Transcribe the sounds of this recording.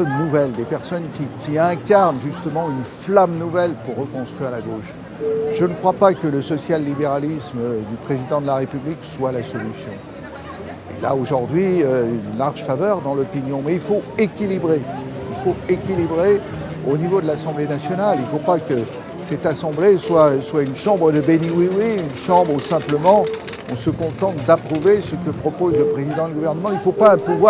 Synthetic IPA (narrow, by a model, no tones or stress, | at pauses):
ɔnnuvɛld̪epɛʁsɔnkʲikʲiɛ̃kʲaʁnʒyst̪əmɑ̃ynflamnuvɛlpuʁːəkɔ̃st̪χɥiʁlaɡoʃ | ʒənəkχwapakələsɔsjalːibeʁalisməd̪ypχezid̪ɑ̃d̪əlaʁepyblikswalasɔlysjɔ̃ | ḛla̰oʒuʁd̪ɥiøynlaʁʒfavœʁd̪ɑ̃lɔpinjɔ̃mɛilfoekʲilibʁeilfoekʲilibʁe | onivod̪əlasɑ̃blenasjɔnalilfopakə | sɛt̪asɑ̃bleswaswaynʃɑ̃bʁəd̪əbeniwiwiynʃɑ̃bʁusɛ̃pləmɑ̃ | ɔ̃səkɔ̃t̪ɑ̃t̪d̪apχuvesəkəpχɔpozləpχezid̪ɑ̃d̪yɡuvɛʁnəmɑ̃ilfopaɛ̃puvwa